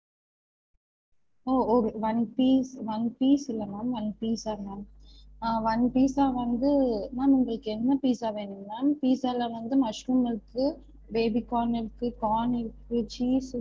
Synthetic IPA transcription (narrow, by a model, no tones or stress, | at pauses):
oːɔɾɯʋɐnpiːsʋɐnpiːsɪlːɐnaːmʋɐnpiːsaːnaː | ʋɐnpiːsaːʋɐnd̪ɯnãːʊŋɡɐɭɯkːɯɛnːɐpiːsaːʋeːɳɯmnaːmpiːsaːlaːʋɐnd̪ɯmɐʂɾuːmɪɾɯkːɯ | beːbikːaːnɪɾɯkːɯkaːnɪɾɯkːɯt͡ʃiːs